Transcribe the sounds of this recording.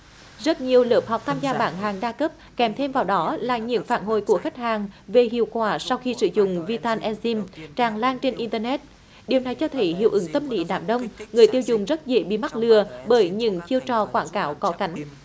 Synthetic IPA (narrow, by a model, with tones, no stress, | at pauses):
zə˦˥t̚ɲi˨˩əwləː˨˩p̚ha˨˩wk͡p̚t̪ʰaː˧mzaː˧ɓaː˧˩nɦaː˨˩ŋɗaː˧kə˦˥p̚kɛ˨˩mt̪ʰe˧mvaː˨˩wɗɔ˨˦laː˨˩ɲɨ̰˧˥ŋfaː˧˩nɦo̰˧˨jku˧˩əxa˦˥jk̟̚haː˨˩ŋve˨˩ɦḭ˧˨əwkwaː˧˩sa˧wxi˧sɨ̰˧˩zʊ̰˧˨ŋ͡mvi˧t̪aː˧nʔɛ˧nsi˧mt͡ɕaː˨˩ŋlaː˧ŋt͡ɕe˧nʔi˧nt̪əː˧nɛ˦˥t̚ | ɗi˨˩əwna˨˩jt͡ɕɔ˧t̪ʰə˨˦jɦḭ˧˨əwʔɨ˨˦ŋt̪ə˧mlḭ˧˨˦ɗa̰ː˧˩mɗə˧wŋ͡mŋɨ˨˩əjt̪i˧əwzʊ˨˩ŋ͡mzə˦˥t̚zḛ˧˥ɓḭ˧˨ma˦˥t̚lɨ˨˩əɓəː˧˩jɲɨ̰˧˥ŋt͡ɕi˧əwt͡ɕɔ˨˩kwaː˧˩nkaː˨˦wkɔ˨˦ka˨˦jŋ̟